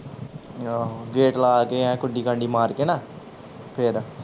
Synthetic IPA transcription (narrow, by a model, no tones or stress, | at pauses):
ɡeːʈlaːkeãːkʊɖiːkãɳɖiːmaːɾkena | pʰeɾ